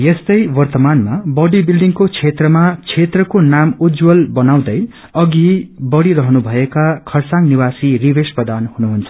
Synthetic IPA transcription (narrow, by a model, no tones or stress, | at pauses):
jest̪ʌjwʌrt̪ʌmanmabʌɖibilɖiŋkot͡sʰet̪rʌmat͡sʰet̪rʌkonamud͡zwʌlbʌnaw̃d̪ʌj | ʌɡibʌɽiɾʌɦnubʱʌekakʰʌrsaŋnibasiribespʌd̪anhunuɦunt͡sʰʌ̥